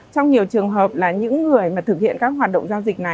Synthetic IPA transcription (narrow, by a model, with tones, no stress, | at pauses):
t͡ɕɔ˧wŋ͡mɲi˨˩əwt͡ɕɨ˨˩əŋɦəː˨˩p̚laː˨˩ɲɨ̰˧˥ŋːɨ˨˩əjmaː˨˩t̪ʰɨ˨˩k̚hḭ˧˨ənkaː˦˥k̚ɦwaː˨˩t̚ɗə̰˧˨wŋ͡mzaː˧wzï˨˩k̟̚na˨˩